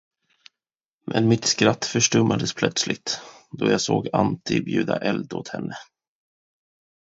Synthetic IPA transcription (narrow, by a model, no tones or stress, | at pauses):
mʔɛnmɪt̪skɾat̪ːfœʂʈɵmʔad̪əspʰlœt̪slɪɡ̚t̪d̪ɔjaːsoːɡant̪ʰɪbjʉ̟ːd̪aʔɛld̪ɔt̪hɛnːə